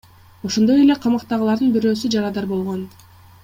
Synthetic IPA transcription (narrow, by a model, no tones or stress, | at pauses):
oʃo̞nd̪o̞jele̞qʰɑmɑqt̪ɑʁɯlˠɑɾd̪ɯnbiɾø̞ːsyd͡ʒɑɾɑd̪ɑɾbo̞lˠʁo̞n